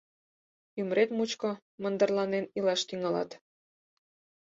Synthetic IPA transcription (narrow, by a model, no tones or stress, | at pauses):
ymɾet̪mut͡ɕko | mə̆nd̪ərlɑnenilɑʃt̪yŋɑlɑ̰t̪